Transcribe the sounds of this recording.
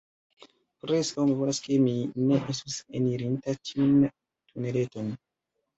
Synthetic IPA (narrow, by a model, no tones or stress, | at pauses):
pɾeskawmivolaske̞mine̞ʔestusḛniɾintatʰiun | tʰune̞le̞to̞n